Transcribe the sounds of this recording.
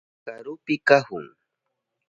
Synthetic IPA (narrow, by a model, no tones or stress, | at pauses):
kaɾʊpɪkahʊŋ